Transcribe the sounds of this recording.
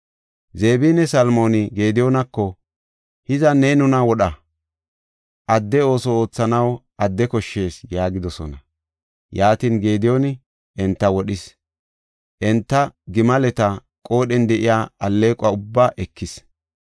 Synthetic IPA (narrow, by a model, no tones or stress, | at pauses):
ze̞ːbiːnːɛsɐlmo̞ːnɪɡe̞ːd̪ɪjoːnɐkːɔ | hɪzɐneːnʊnɐwɔɗɐ | ʔɐd̪ːɛo̞ːsɔo̞ːt͡sːɐnɐwʔɐd̪ːɛkɔʃːe̞ːsjaːɡɪd̪ɔsɔ̰nɐ | jaːt̪iːnɡe̞ːd̪ɪjonɪ | ɛnt̪ːɐwɔɗɪs | ʔɛnt̪ːɐɡɪmɐlɛt̪ɐ | kʼo̞ːɗɛnd̪ɛʔɪjaːɐlːe̞ːkʼʊaʊbːaːʔɛkʰːɪs